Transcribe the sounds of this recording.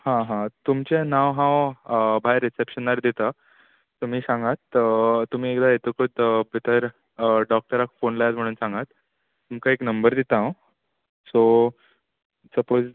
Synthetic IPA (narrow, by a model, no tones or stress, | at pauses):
hãɦãt̪umt͡ɕenãʋɦãʋbʱajɾːisepɕənːaɾd̪it̪a | t̪um̤iːsãŋɡat̪ːum̤iːek̚d̪ʱajet̪əkʰot̪əbʱit̪ʰəɾ | ɖɔk̚ʈəɾakfonlajd͡zm̤əɽ̃uːnsãŋɡat̪ː | umkaeknəmbəɾd̪it̪ãw | so | səpod͡z